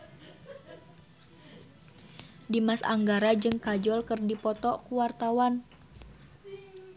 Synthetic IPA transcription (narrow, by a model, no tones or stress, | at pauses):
dimasa̰ŋɡaɾad͡ʒɨŋkad͡ʒɔlkɨrdipɔt̪ɔkuwart̪awan